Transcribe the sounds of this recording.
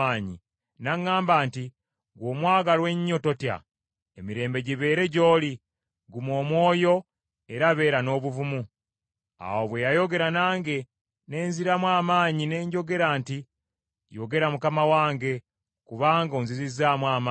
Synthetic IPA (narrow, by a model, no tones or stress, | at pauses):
aːɲḭ | naŋːaːmbaːnti | ɡo̞ːmwaːɡalwe̞ɲːo̞to̞tja̰ | emiɾe̞ːmbe̞ɟiβe̞ːɾe̞ɟo̞ːli | ɡumwo̞ːmwo̞ːjo̞ | e̞ɾaβe̞ːɾano̞ːβuvumu | a̰woβwe̞jajo̞ɡe̞ɾanaːŋɡe̞ | ne̞ːnziɾamwaːmaːɲine̞ːɲɟo̞ɡe̞ɾaːnti | joɡe̞ɾamukamawaːŋɡe̞ | kuβaːŋɡoːnzizizaːmwaːma